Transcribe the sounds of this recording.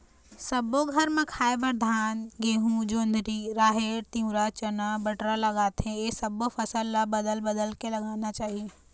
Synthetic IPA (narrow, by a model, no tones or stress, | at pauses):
səboɡʱɐɾmẽkʰaːebəɾd̪ʱaːnɡeːɦũd͡ʒõːnd̪ʱɾiɾaːɦeːɾt̪ĩwɾat͡ʃənabəʈɾaləɡaːt̪ɦẽesəbofʰəsəlːabəd̪əlbəd̪əlkelɐɡaːnat͡ʃaːɦie